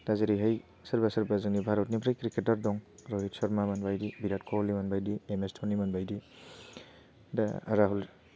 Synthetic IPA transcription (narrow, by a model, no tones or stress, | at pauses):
daziɾiɦɐj | sɐɾbasaɾbazɯŋnibʱaɾɔtnibɾajkɾiketaɾdɔŋɾoɦitsɔɾmamanbajdibiɾat̚kʰolimanbajdiemestʰonimanbajdi | da̰ɾaɦul